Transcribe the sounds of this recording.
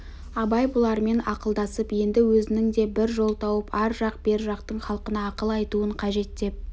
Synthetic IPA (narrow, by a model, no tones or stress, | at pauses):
ɑbɑjbʊlˠɑɾme̞nɑqəlˠd̪ɑsəpje̞nd̪ɪwɵzɪnɪŋd̪e̞bɪɾʒo̞lˠt̪ʰɑwəpɑɾʒɑq̚b̥e̞ɾʒɑq̚t̪əɴχɑlˠəqənɑːqəlˠɑjt̪uəɴqʰɑʒe̞t̪̚d̪e̞p̚